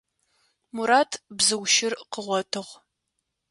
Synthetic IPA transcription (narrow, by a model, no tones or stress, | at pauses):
muɾaːtʰbzɨwʃɪrqəʁʷɔtʰɨʁ